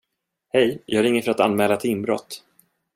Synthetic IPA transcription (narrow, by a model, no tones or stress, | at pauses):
hɛjjʔɑːɡaɾɪŋːəfœɾat̪anmɛːlat̪ʰɪɪmbɾɔ̰t̪ː